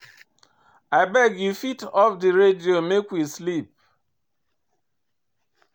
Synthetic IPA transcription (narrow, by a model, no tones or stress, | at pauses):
aɪbɛɡjufitɔfdiɹediomekwislip̚